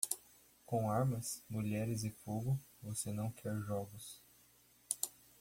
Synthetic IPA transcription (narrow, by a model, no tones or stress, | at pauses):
kõw̃aɾmɐsmuʎɛɾɪzɪfoɡʊvosenɐ̃w̃kʰɛɾʒɔɡʊs